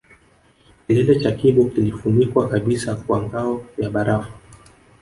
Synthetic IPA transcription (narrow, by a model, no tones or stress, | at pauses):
kilɛlɛt͡ʃakiɓɔkilifunikwakaɓisakwaŋɡaɔjaɓaɾafu̥